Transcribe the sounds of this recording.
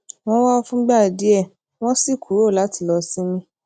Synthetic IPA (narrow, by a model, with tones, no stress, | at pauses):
w̃ɔ̃˦wa˦fũ˦ɡ͡ba˦˨di˨˦ɛ˦˨ | w̃ɔ̃˦si˦˨kʰu˨ɾo˦˨la˨˦ti˧˨lɔ˧si˦mĩ˧